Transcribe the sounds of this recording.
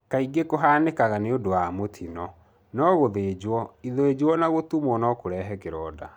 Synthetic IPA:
kaiɡekoɦaːnekaɣaneodowamotʰinɔ | nɔɣoðeːd͡ʑwɔiðoed͡ʑwɔnaɣotumɔnɔkoɾɛɦɛkeɾɔːda

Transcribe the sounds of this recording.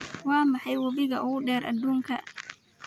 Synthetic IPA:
wɑːmɑħɑjwɐβɪɣɐʔʊɣʊɖɛːɾʔɐ̰d̪ːuːŋkʰɐ

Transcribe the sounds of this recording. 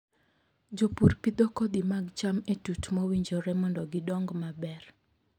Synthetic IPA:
d͡ʒopurpid̪ɔkɔd̪imaɡt͡ʃametutmɔwiɲd͡ʒɔɾɛmɔndɔɡɪdɔŋɡmabɛr

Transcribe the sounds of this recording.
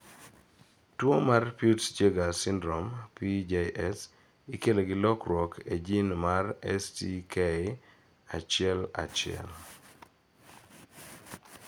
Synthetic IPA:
twomarputt͡ʃeɡasɪndɾɔmpid͡ʒeʔɛs | ɪkeloɡɪlɔkɾwɔkʰed͡ʒinmarɛstike | at͡ʃɪɛla̰t͡ʃɪɛ̰l

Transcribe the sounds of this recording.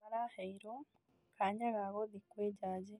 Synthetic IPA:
aɾahaiɾo | kʰaɲaɣaɣoðikweːɟaːɟe

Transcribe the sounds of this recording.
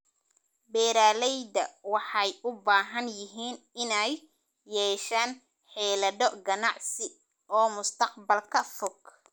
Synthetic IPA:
bɛːɾaːlɛjd̪ɐwɑħɑjʔʊbaːɦɐnjɪɦiːn | ɪnɛjː | ɛːʃaːn | ħɛːlɐdɔɡɐnɑʕsɪ | ʔɔːmʊst̪ʰɑqbɐlkʰɐfɔɡ

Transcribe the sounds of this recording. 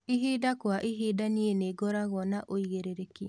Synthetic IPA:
iɦiːdakwaʔiɦidanieneːɡɔɾaɣɔnaʔoiɣeɾeɾekia

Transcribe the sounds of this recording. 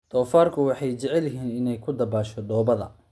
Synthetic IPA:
d̪̥ʰɔːfaːrkʰʊwɑħɑjt͡ʃɛʕɛljɪɦiːnɪnɛjkʰʊd̪ɐbaːʃɔd̪ɔːbɐðɐ̰

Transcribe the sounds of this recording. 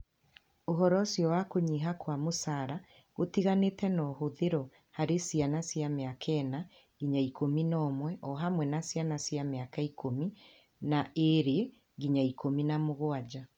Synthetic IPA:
oɦɔɾɔsjɔwakoɲiɦakwamosaɾa | ɣotiɣanetɛnɔhoðeɾɔ | haɾesianasjameakʰɛna | ɡiɲaikominɔːmwɛʔɔɦamwɛnasianasjameakaikʰomi | naeɾee | ɣiɲaikominamoɣoad͡ʑa

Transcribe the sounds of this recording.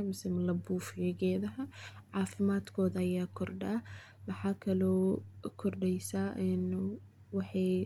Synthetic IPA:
ɐmɪsɪmlɐbuːfjɐɣɛːðɐɦɐʕɑːfɪmaːd̪kʰɔːðɐɐjaːkʰɔrɖaː | mɑħɑːkʰɐlɔːkʰɔrɖɛjsaːʔɛn | wɑħɑj

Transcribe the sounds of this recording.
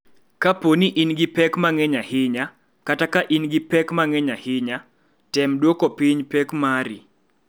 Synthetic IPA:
kaponiʔinɡipɛkmaŋɛɲahɪɲa | katakaʔinɡipɛkmaŋɛɲahɪɲa | tɛmdwokopiɲpɛkmaɾḭ

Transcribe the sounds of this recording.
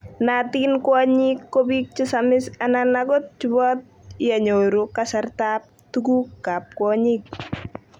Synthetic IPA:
nat̪inkwaɲikːobik̚t͡ʃisamɪsananaɡɔt̪̚t͡ʃubɔt̪̚jaɲoɾukasart̪ap̚t̪uɡukap̚kɔɲik̚

